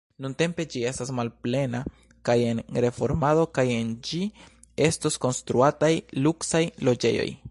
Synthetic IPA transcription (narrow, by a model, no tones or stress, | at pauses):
nunte̞mpe̞d͡ʒie̞stasmalple̞na | kaje̞nɾe̞fo̞ɾmado̞kaje̞nd͡ʒi | e̞stosko̞nstɾuatajluksajlo̞d͡ʒe̞̰jo̞̰j